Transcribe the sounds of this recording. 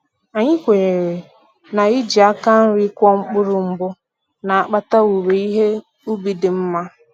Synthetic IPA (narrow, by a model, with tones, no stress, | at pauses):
a˨ɲɪ˦kʷe˨ɾe˨ | na˨i˦d͡ʒi˨a˦ka˦n̩˦ɾi˦kʷɔ˦ŋ͡m̩˦k͡pʊ˦ɾʊ˨ŋ͡m̩˦bʊ˦ | na˨a˨k͡pa˦ta˦u˨ɾe˨i˦ɦe˦ | u˦bi˨dɪ˨m̩˦ma˦